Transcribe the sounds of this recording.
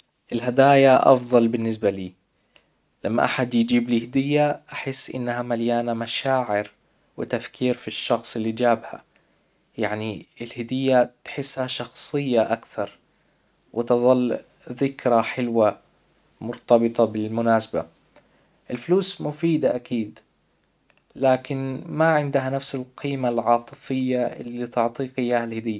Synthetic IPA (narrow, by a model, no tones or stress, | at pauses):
ʔɪlɦad̪aːjaʔɑ̰fðˤɑlbɪnːɪs̬baliː | lamːa̰ʔaħad̪jd͡ʒiːblihɪd̪ɪjːaʔaħɪsːʔɪ̰nːhamaljaːnamaʃaːʕɪɾ | wɪt̪afkʰiːɾfiʃːɑxsˤɪlːid͡ʒaːbha̰ | jaʕniɪlhɪd̪ɪjːat̪ħɪsːhaʃɑxsˤɨjːaʔakθɑɾˤ | wʔɪt̪ɨðˤɑlː | ðɪkɾaħɪlwa | mʊɾt̪ɑbɨt̪ˤɑbɪlmʊnaːsaba̰ | ʔɪlfluːsmʊfiːd̪aʔakiːd̪ | laːkɪnmaʕɪnd̪hanafsalqʰiːmalʕɑːt̪ˤɨfɪjːaʔɪ̰lːit̪ʊʕt̪ˤiːqɪjːaːhalhɪd̪ɪjːa